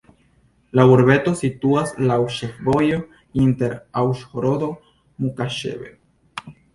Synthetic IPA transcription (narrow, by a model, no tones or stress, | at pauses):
laβuɾβet̪osit̪uaslawʃefbojo | int̪eɾawʃxoɾod̪o | mukaʃḛβe